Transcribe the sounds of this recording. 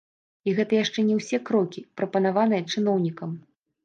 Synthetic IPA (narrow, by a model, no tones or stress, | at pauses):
iɣɛt̪ɐjaʂt͡ʂɛnʲɛwsʲɛkɾɔkʲipɾɐpɐnavanɨjɐt͡ʂɨnɔwnʲikɐm